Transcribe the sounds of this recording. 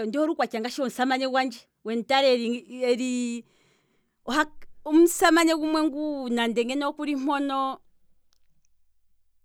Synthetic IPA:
ndihɔɾukwakaŋɡaʃiɔn̩samaɲɛwand͡ʒɛ | wɛntaɾɛɾiɛɾi | ɔhaum̩samaɲɛɡumwɛŋɡunandɛŋɡɛnɔɔkuɾim̥ɔnɔ

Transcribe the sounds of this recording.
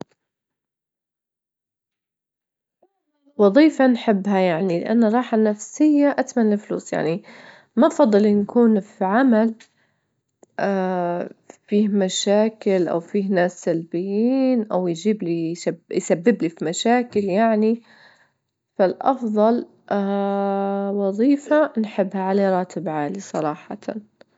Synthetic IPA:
wɑðˤiːfanħɪbːhajaʕnilɪ̰ʔa̰nːaɾˤɑːħanafsɪjːaʔat̪manlɪflṵːsja̰ʕni | mafɑd̪ˤːɨlnkuːnfiʕamal | ʔa | fiːhmaʃaːkɪlʔa̰wfiːhnaːsːalbɪjːiːnʔawjd͡ʒiːbliʃabjsabːɪblifimaʃaːkɪljaʕni | falʔɑfðˤɑl | ʔa | wɑðˤiːfanħɪbːhaʕaleːɾˤɑːt̪ʰɪbʕaːlisˤɑɾˤɑːħɑ̰t̪ʰɑ̰n

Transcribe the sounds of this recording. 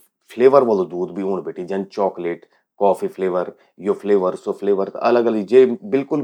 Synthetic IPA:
pʰleːʋəɾʋəlod̪uːd̪bʱioːɳbeːʈid͡ʒɐnt͡ʃɔːkleʈ | kɔːfʰipʰleːʋəɾ | jopʰleːʋəɾsopʰleːʋəɾt̪ʔɐləɡələɡd͡ʒeːbɪlkʊl

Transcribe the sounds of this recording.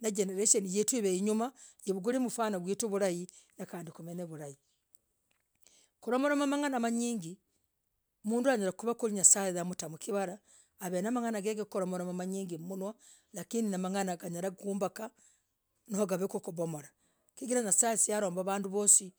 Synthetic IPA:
naɟeneɾeʃonijetwiβeiɲumajeβuɡuɾimufaːnaβwiːtuβuɾaji | nakaːndikumeneβuɾaji | kuɾomoɾamamaŋanamaɲiːŋɡi | omuːnduaɲaɾakuβakuɾiɲasaeðamutamukiβaɾaː | βenamaŋanaɡeɡekoɾomoɾamamaɲiːŋɡimunwa | lakiːndinamaŋanaɡaɲaɾakuːmbaka | nohoɡaβekokuβomoɾa | kiɡiɾaɲasaːsijaɾo̞ːmbaβaːnduβo̞ːsi

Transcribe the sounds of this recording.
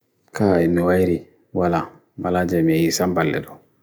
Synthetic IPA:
kainiwajiɾi | wala | balad͡ʒɛmijisãmbalːɛ̰dɔ

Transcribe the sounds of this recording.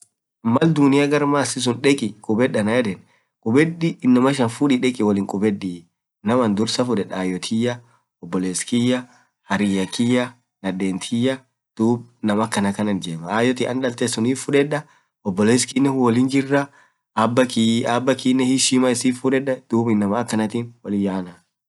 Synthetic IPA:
mɐld̪ʊnɪjɐɡɐɾmasɪs̬ʊnᶑɛkʼɪkʼʊbɛɗːɐnɐjɛd̪ɛn | kʼʊbɛɗɪɪnːɐmɐʃ̬ɐnfuᶑiᶑɛkʼɪwɔlɪŋkʼʊbɛɗːi | nɐmɐnd̪ʊɾsɐfʊᶑɛᶑaːjɔt̪ʰɪjɐ | ɔbːɔleːskɪjːɐ | hɐɾɪjɐkɪjɐ | nɐd̪eːnt̪ʰɪjɐ | d̪̥uːb̚nɐmɐkːɐnɐkɐnɐnd͡ʒemɐaːjɔt̪iʔɐnᶑɐlt̪esʊniːffʊᶑɛᶑɐ | ɔbːɔleːskinːɛwɔlɪnd͡ʒɪrːɐː | bːɐkabːɐkiːnːɛhɪʃimɐɪsiːffʊᶑɛᶑːɐd̪̥uːbɪnːɐmɐːkːɐnɐt̪inwɔlɪjaːnɐ

